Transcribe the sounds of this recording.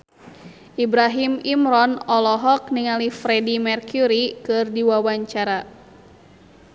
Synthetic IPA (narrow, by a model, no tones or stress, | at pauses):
ʔibɾaɦimimɾɔnɔlɔɦɔk̚niŋalifɾɛdimɛrkuɾikɨrdiwawaɲt͡ʃaɾa